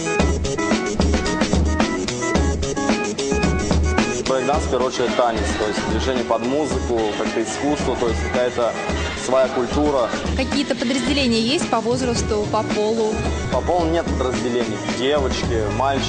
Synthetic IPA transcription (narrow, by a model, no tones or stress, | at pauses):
sʲbɾɐɡd̪anspʲɪɾot͡ɕɪɾɪt̪ːanʲɪt̪st̪o̞jɪsʲt̚ʲd̪vʲɪʐɛnʲɪjəpɐd̪muzɨkʊkakt̪əɪskust̪vət̪o̞jɪsʲt̚ʲkɐkajət̪ə | svɐjakʊlʲt̪uɾəkɐkʲijət̪əpəd̪ɾəzʲdʲɪlʲenʲɪjəjesʲtʲpɐvo̞zɾəst̪ʊpɐpo̞lˠʊ | pɐpolˠnʲe̞t̪̚pəd̪ɾəzʲdʲɪlʲenʲɪjdʲevət͡ɕkʲɪmalʲt͡ɕ